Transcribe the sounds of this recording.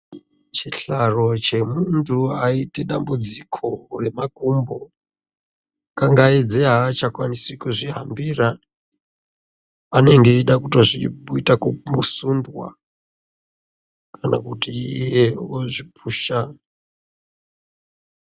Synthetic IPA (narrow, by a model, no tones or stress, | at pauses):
t͡ʃiɬaro̞t͡ʃe̞muntʰuaite̞ɗambud͡zikʰo̞re̞makumbo̞ | kaŋɡaed͡zeɦaːt͡ʃakwanisikuʐiɦa̰mbira | ane̞ŋɡe̞iɗakutoʐiuitakuusundwa̰ | kʰana̰kutiijeoʐipuːʃa